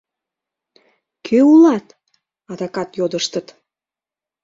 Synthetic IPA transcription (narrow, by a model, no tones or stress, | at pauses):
kʰøulɑt̪ | ɑd̪ɑkɑt̪jod̪əʃt̪ət̪